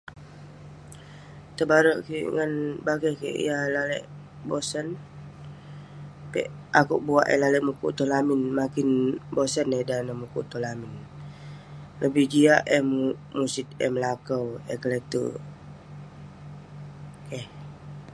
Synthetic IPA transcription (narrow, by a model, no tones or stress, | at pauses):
t̪əbaɾəʔkḭʔŋanbaɡakḛʔḭjalalɛ̰ʔ | bosən | pɛ̰ʔakuʔbuaʔɛ̰laləʔmukṵʔt̪olamɪnmakinbosənedanəmukṵʔt̪olamɪn | ləbɪhd͡ʒiaʔɛmu | musit̪̚ɛ̰mlakəwɛkələt̪ṵ | kɛh